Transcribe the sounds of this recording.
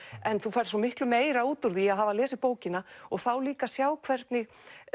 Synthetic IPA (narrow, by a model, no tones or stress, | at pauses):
ɛnθufajɾ̥sɔmɪhklʏmeːjɾauːt̪ʊɾðiaðɦavalɛːsɪpoːwcɪnaɔɣθawliːkasjaːwkʰvɛɾt̪nɪɣ